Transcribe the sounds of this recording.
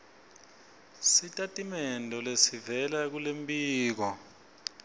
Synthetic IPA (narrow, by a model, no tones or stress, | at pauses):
sitʼatʼimɛndʱɔlesivɛlak̬ulembʼiːk̬ɔ